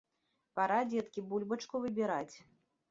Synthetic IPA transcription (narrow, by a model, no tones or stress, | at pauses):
paɾad͡zʲɛt̪kʲibulʲbɐt͡ʂkuvɨbʲiɾat͡sʲ